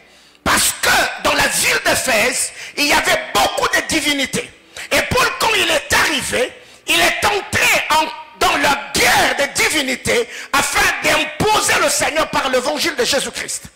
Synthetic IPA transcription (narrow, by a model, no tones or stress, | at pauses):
paʁsə̥kəd̪ɑ̃lavild̪efɛziljavɛbokud̪əd̪ivinit̪ḛ | epɔlkɑ̃ilɛt̪aʁive | ilɛt̪ɑ̃t̪ʁeɑ̃d̪ɑ̃lœʁɡɛʁd̪əd̪ivinit̪eafɛ̃d̪ɛ̃pozeləsɛɲœʁpaʁlevɑ̃ʒild̪əʒezykχḭst̪